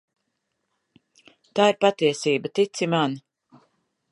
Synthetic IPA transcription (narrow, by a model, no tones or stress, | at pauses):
t̪aːiɾpat̪iɛsiːbat̪it̪siman